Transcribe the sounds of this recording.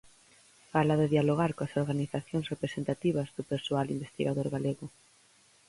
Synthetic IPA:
falɐðeðialoɣaɾkoɐsoɾɣaniθaθjoŋsrepɾesent̪at̪iβɐzðʊpeɾsoalimbest̪iɣaðoɾɣaleɣʊ

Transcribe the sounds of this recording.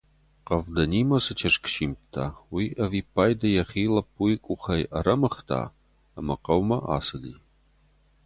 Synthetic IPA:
qɐvdɐniːmɐsɨt͡ʃʰɐʂkʰʃiːmtʰaːwiːʔɐviːpʰaːjdɐjɛχiːlɐp̚ujkʷʼʊχɐjʔɐɾɐmɐχtʰa̰ː | ɐmɐqɐwmɐʔa̰ːsɨlḭː

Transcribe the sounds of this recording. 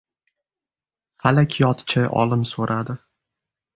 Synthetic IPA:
falakʲʰjɒt̪t͡ʃʰaʔɒ̰lɪmsoɾʔad̪ɪ

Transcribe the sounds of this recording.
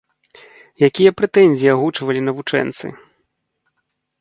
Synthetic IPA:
jakʲijɐpɾɛt̪ɛnʲzʲijaɣut͡ʂvɐlʲinɐvut͡ʂɛ̰nt̪sɨ̰

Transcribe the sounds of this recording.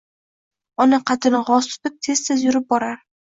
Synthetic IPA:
ɒnɪqʰɑt̪ʰɪnɪʁɒst̪ʰʊ̥t̪ɪp̚t̪ʰe̞zt̪ʰezjʊɾɪp̚bɒɾaɾ

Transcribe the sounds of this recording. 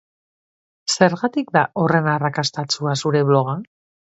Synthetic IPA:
se̞ɾɣat̪ikd̪ao̞re̞narakast̪at͡suasuɾe̞βlo̞ɣ̞a

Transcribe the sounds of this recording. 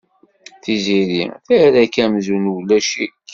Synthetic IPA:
θiziɾḭmθæɾækæmzunwlːæʃik

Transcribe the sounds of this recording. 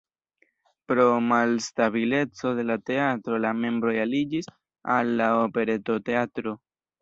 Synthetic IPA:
pɾo̞malstaβile̞t͡so̞de̞late̞atɾo̞lame̞mbɾo̞jalid͡ʒis | alːaope̞ɾe̞to̞te̞atɾo̞

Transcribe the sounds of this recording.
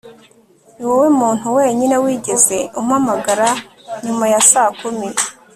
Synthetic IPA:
niwewemuːn̥huwe̞ːɲine̞wiːɟe̞ze̞umhamaɡaɾa | ɲumajasaːkumi

